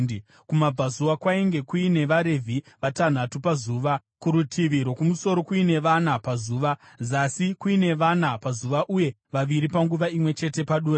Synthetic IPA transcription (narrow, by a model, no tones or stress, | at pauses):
kumab͡vazuwakwaiŋɡe̞kuine̞ʋaɾe̞vʱi | ʋatan̤atupazuːʋa | kuɾutʰiʋiɾo̞kumuso̞ɾo̞kwuine̞ʋanapazuːʋa | zasikuine̞ʋanapazuʋaʔuje̞ | ʋaʋiɾipaŋɡuʋaimwe̞t͡ʃe̞te̞paɗuːra